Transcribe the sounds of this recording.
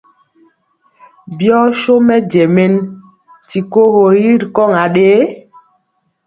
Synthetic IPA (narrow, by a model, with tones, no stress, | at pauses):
bjɔ˦ʃo˦mɛ˦d͡ʒɛ˨mɛ˦n | ti˨ko˦ho˨ji˦ɾkɔ˦˨ŋa˨ɗeː˦